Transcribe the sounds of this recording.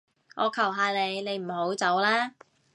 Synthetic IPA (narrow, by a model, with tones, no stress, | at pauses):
ʔɔː˨˧kʰɐ˨˩wɦaː˨˧le˨˧jne˨˧jm̩˨˩ho˨˥wt͡sɐ˨˥wlɛː˥